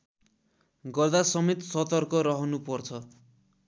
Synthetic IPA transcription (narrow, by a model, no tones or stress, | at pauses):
ɡʌrd̪asʌmet̪sʌt̪ʌrkʌɾʌɦʌnupʌrt͡sʰʌ